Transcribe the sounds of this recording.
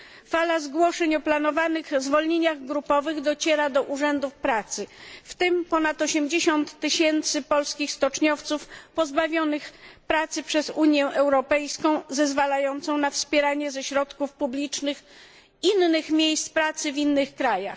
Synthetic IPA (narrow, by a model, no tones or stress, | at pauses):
falazɡwɔʂɛɲɔplan̪ɔvanɘɣzvɔlɲeɲaɣɡɾupɔvɘɣd̪ɔt͡ɕɛɾad̪ɔʔuʐɛnd̪ufpɾat̪sɘft̪ɘmpɔnat̪ɔɕɛmd͡ʑeɕɔnt̪ːɘɕɛnt̪sɘpɔlskʲixst̪ɔt͡ʂɲɔft̪sufpɔzbavʲjɔnɘxpɾat̪sɘpʂɛzuɲjɛʔɛwɾɔpɛjskɔ̃w̃zɛzvalajɔnt̪sɔ̃w̃nafspʲjɛɾaɲɛzɛɕɾɔt̪kufpublʲit͡ʂnɘx | inːɘxmʲjejst̪pɾat̪sɘvʲinːɘxkɾajax